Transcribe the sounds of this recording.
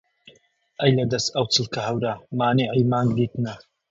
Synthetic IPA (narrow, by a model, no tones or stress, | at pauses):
ʔɐjlɐd̪ɐst̪ɐwt͡sʰɨlˠkʰɐhɐwɾamaːneʕiːmaːŋɡd̪iːt̪nɐ